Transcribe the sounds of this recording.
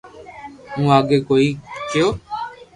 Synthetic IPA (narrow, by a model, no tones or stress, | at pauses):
ũːaːɠeːkoːiːkɪjoː